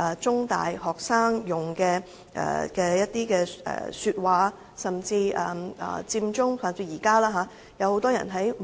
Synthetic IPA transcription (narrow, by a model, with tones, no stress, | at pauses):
ɐ˨˩t͡sʊ˥ŋt̪a̰ː˨jhɔː˨˩k̚saː˥ŋjʊ˨˩ŋkɛː˧ | ʔɛ̰ː˨˩kɛː˧jɐ˥t̚t̪iː˥kɛː˧ʔɛ̰ː˨˩syː˧t̚waː˨˧ | sɐ˨mt͡siː˧ʔɐ̰ː˨˩ɐ̰ː˨˩t͡siː˧mt͡sʊ˥ŋsaː˨˩t͡siː˧jiː˨˩kaː˥laː˥ɦaː˨˥ | jɐ˨˧who˨˥wt̪ɔː˥jɐ̰˨˩nɦɐ˨˥j